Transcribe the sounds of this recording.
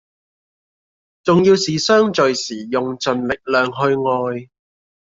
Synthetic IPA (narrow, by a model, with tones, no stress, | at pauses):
t͡sʊ˨ŋjiː˧wsiː˨sœː˥ŋt͡ʃɵ˨ɥsiː˨˩jʊ˨ŋt͡sɵ˨nlɪ˨k̚lœː˨ŋɦɵ˧ɥŋɔː˧j